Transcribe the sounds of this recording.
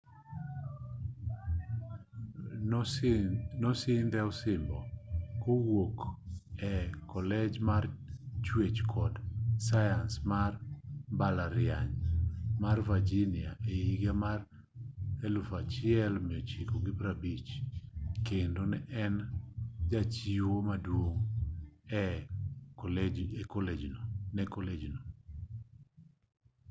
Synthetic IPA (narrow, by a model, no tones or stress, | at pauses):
nɔsɪnd̪ɛɔsɪmbɔkowokɛkɔlɛd͡ʒmart͡ʃwet͡ʃkʰɔdsajansmarbalaɾɪaɲmarvad͡ʒinɪaʔejiɡamar | elufat͡ʃɪɛlmɪɔt͡ʃikoɡɪbɾabit͡ʃ | kendonɛʔɛnd͡ʒat͡ʃiwomadwoŋ | ɛ | ɛkɔled͡ʒnonɛkɔled͡ʒino